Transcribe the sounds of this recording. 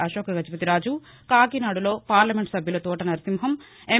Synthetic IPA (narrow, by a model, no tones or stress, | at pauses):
ɐʃoːkɐɡɐd͡ʒipɐt̪iɾaːd͡ʒu | kaːɡinaːɽulo̞ːpaːɾlɐmeɳʈsɐbʱjɐloːt̪uːʈɐnɐɾisimɦɐm | e